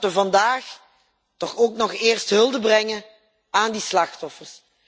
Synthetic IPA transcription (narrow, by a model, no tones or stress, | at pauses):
tʋəvɑndaːx | tɔxoːknɔχɪːrstɦɵlˠdəbrɛŋə | aːndislɑxtɔfərs